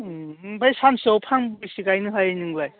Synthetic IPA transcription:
bajsansowpʰaŋbɯjsiɡajnɯɦajnɯŋlaj

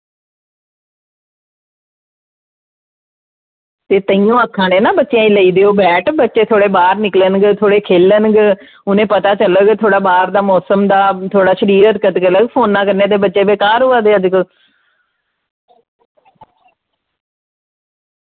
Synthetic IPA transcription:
t̪eːt̪əĩjõːəkʰːãːnẽːnãːbətːʃjãːĩːləiːd̪eːoːbɛːʈbətːʃeːt̪ʰoːɽeːbaːɾnɪklənɡt̪ʰoːɽeːkʰeːlənɡ | ʊnẽːpət̪aːt͡ʃələɡt̪ʰoːɽaːbaːɾd̪aːmɔːsəmd̪aːt̪ʰoːɽaːʃəɾiːɾət̪kət̪kələɡpʰoːnːãːkəɾnẽːt̪eːbətːʃeːbeːkaːɾɦʊaːd̪eːəd͡ʒkə

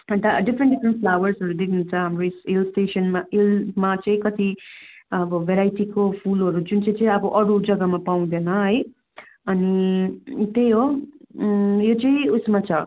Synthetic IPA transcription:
ʌnt̪aɖipʰɾenʈɖipʰɾenʈ̚pʰlawʌrsʌɾud̪ekʰnunt͡sʰʌɦamɾosilsʈesʌnmailmat͡sʌĩkʌt̪i | ʌbʌbeɾajʈikopʰulʌɾud͡zunt͡sʌ̃ĩt͡sʌĩʌbʌʔʌɾud͡zʌɡamapaw̃d̪enʌɦʌj | ʌni | t̪ejɦo | jot͡sʌĩusmat͡sʰʌ

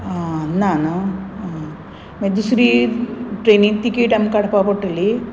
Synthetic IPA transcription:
anːaːnɨ | med̪usɾiʈrenit̪ːikʲːejʈːamkɐɽɐpːaːpoʈːilːi

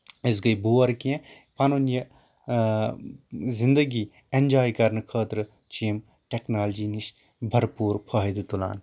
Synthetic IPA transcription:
es̬ɡɐjbʱuːɐɾkiẽ | pɐnonjɐ | zind̪əɡi | end͡ʒaːjkɐɾnɨkʰəːt̪ɾɨ | t͡ʃiːm | ʈeknaːld͡ʒiːniʃ | bʱɐɾpuːɾpʰɐɦid̪ɨt̪ula̰ːn

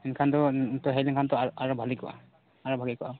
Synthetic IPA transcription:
ɛnkʰantɔtɔɦɛjlɛŋkʰantɔaaɹɔbʱalikɔʔa̰ | aɹɔbʱaɡikɔʔa

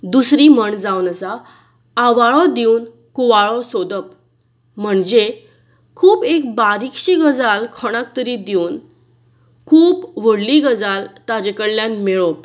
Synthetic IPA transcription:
d̪usɾiməɳd͡zawnəsaː | ʋaɭɔd̪iun | kuʋaɭɔsod̪əp | m̤əɳd͡ze | kʰuːpek̚baɾikɕiɡəd͡zalkʰɔɽ̃ãk̚t̪əɾid̪iun | kʰuːpʋəɽliɡəd͡zalt̪ad͡ʑekəɽljanmeɭɔp

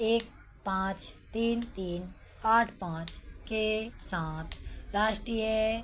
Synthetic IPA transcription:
eːk̚ | pãːt͡ʃt̪iːnt̪iːn | aːʈʰpãːt͡ʃkesãːt̪ʰɾaːʃʈɾiːjə

